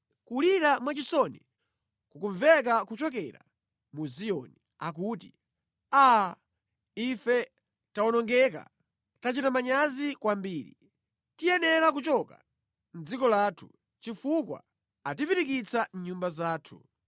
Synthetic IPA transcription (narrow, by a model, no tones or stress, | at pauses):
kuliɾamwat͡ʃisɔnḭ | kukuɱvɛkakut͡ʃɔkɛɾa̰ | muzijɔni | ak̬uti | a | ifɛ | taɔnɔŋɡɛka̰ | tat͡ʃitamaɲazikwambiːɾḭ | tijɛnɛɾak̬ut͡ʃɔka̰ | n̩d͡zikɔlaːtʰu̥ | t͡ʃifukwa̰ | atipiɾikit͡san̩ɲumbazaːtʰu̥̰